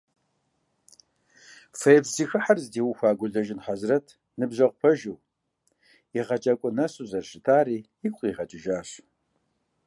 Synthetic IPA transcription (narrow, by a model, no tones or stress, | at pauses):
fɐjbziːxɨħarzdiːwʊxʷaːɡʷʊɮɐʒɪnħazrɐtʰ | nɨbʑɐʁpʰɐʒuw | iʁɐt͡ʃʼɐkʷʼʊnɐsʼuzɐrʃɪtʰaːriː | ɪkʷʼqʼiːʁɐt͡ʃʼɪʒaːɕ